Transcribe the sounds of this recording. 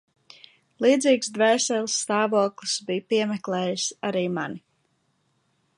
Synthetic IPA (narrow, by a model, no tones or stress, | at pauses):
lˠiːd̪ziːksd̪vɛjsɛlˠsːt̪aːvuɔklˠisbijpiɛmɛklˠɛːjisaɾiːmani